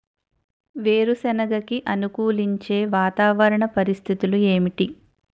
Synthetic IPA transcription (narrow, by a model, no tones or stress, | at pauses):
ʋeːɾusɛnɐɡɐkiʔɐnukuːliɲt͡ʃe̞ːʋaːt̪aːʋɐɾɐɳɐpɐɾist̪ʰit̪ulue̞ːmiʈi